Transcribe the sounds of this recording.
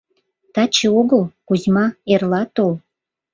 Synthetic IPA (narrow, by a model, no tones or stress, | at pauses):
t̪ɑt͡ɕeoɣəlkuzmɑerlɑt̪ol